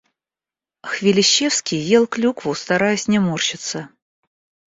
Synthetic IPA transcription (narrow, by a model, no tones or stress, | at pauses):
xvʲɪlʲɪɕːefskʲijːelˠklʲukvʊst̪ɐɾajʊsʲnʲɪmort͡ɕɪt̪sə